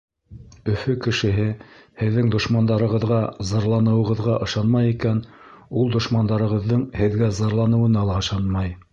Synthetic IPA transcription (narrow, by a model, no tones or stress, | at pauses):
ɵ̆fɵkɘ̆ʃɘ̆ɦɘhɘ̆ðːɘŋd̪ŏʃmɑnd̪ɑɾɤ̆ʁɤ̆ðʁɑzɑɾlˠɑnɤ̆wɤ̆ʁɤ̆ðʁɑʔɤ̆ʃɑnmɑjikæn | ulˠd̪ŏʃmɑnd̪ɑɾɤ̆ʁɤ̆ðːɤɴhɘ̆ðɡæzɑɾlˠɑnɤ̆wɤ̆nɑlˠʁɑʃɑnmɑj